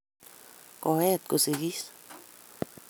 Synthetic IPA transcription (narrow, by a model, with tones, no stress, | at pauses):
ko˧he˦t̪̚kusiɡi˦s